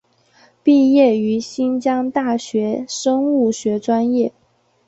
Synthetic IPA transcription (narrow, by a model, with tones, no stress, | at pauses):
pi˥˧jɛ˥˩y˧˥ɕi˥nt͡ɕjɑ˥ŋt̪a˥˩ɕɥɛ˧˥ʂɤ˥ŋu˥˩ɕɥɛ˧˥ʈ͡ʂwa˥njɛ˥˩